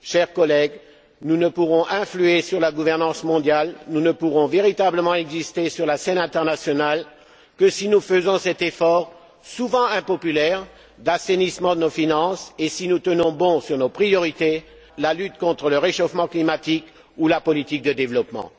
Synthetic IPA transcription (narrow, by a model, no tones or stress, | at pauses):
ʃɛʁkɔlɛɡ | nunəpuʁɔ̃ʔɛ̃flyesyʁlaɡuvɛʁnɑ̃smɔ̃d̪jalnunəpuʁɔ̃veʁit̪abləmɑ̃ɛɡzist̪esyʁlasɛnɛ̃t̪ɛʁnasjɔnal | kəsinufəzɔ̃sɛt̪efɔʁ | suvɑ̃ɛ̃pɔpylɛʁ | d̪asenismɑ̃d̪ənofinɑ̃sesinut̪ənɔ̃bɔ̃syʁnopχijɔʁit̪e | lalyt̪kɔ̃t̪χələʁeʃofmɑ̃klimat̪ik | ulapɔlit̪ik̚d̪əd̪evlɔpmɑ̰̃